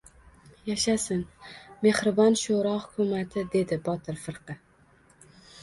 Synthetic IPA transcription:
jaʃasɪnme̞hɾɪbɒnʃoɾɒhʊ̥kʲʰʊmat̪ʰɪd̪e̞d̪ɪbɒt̪ʰɪɾfɨɾqʰɨ

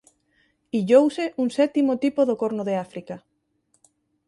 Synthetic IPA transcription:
iʎowsɪʔuŋsɛt̪imot̪ipoðokoɾnʊðeafɾika

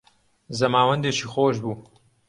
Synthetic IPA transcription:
zɐmaːwɐnd̪eːt͡ʃiːxoːʃbuː

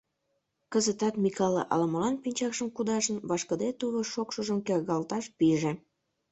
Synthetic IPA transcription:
kəzət̪ɑt̪mikɑlḛʔɑ̰ləməlɑnpinʲt͡ɕɑkʃəmkud̪ɑʒənβɑʃkə̆d̪et̪uβoʃokʃəʒəmkerɣɑlt̪ɑʃpiʒĕ

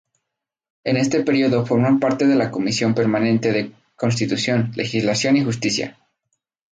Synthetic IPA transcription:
e̞ne̞st̪e̞pe̞ɾioðo̞fo̞ɾmampaɾt̪e̞ðe̞lako̞misjo̞mpe̞ɾmanẽ̞nt̪e̞ðe̞ | ko̞ns̬t̪it̪usjo̞nle̞̰xizlasjo̞nixust̪isja̰

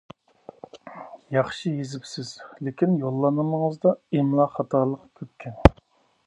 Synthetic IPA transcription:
jɑχʃijezɪpsɪz̥lekʲinjolˠːɑnɨməŋəzd̪ɑemlˠɑχɑt̪ʰɑːlˠəqkʲʰøp̚kʲʰɛn

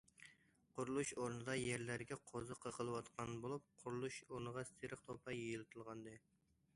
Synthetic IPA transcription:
qʰʊɾulˠuʃoɾnɨd̪ɑjɛɾlæɾɡʲɛqʰozɨqʰəqʰəlˠɨwɑt̪qʰɑnbolˠup̚qʰʊɾulˠuʃoɾnɨʁɑsʰeɾəqt̪ʰopʰɑjejilˠɨt̪ʰɨlˠʁɑnd̪ɨ

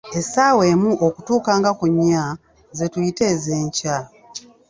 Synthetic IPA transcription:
e̞sawe̞ːmuʔokutuːkaːŋɡakuɲːa | zetujite̞ːze̞ːɲca

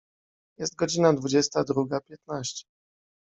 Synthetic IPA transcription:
jɛst̪̚ɡɔd͡ʑinad̪vud͡ʑɛst̪ad̪ɾuɡapʲjɛt̪naɕt͡ɕɛ̥

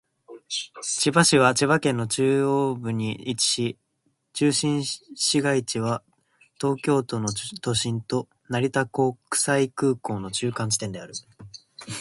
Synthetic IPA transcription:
t͡ɕibaɕiβ̞at͡ɕiβakẽ̞nːo̞t͡ɕɨːobɯ̟ɲ̟iːt͡ɕi̥ɕi | t͡ɕɨːɕĩɰ̃ɕiɡait͡ɕiβa | t̪o̞ːkʲo̞ːt̪o̞no̞t̪o̞ɕĩnt̪o̞ | naɾʲit̪ako̞kɯ̥saikɯ̟ːko̞ːno̞t͡ɕɨːkãɲ̟t͡ɕi̥t̪end̪e̞aɾɯ̟

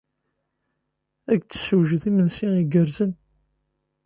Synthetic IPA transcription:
æɡt͡sːə̥səwʒðimənsiiɡəɾzən

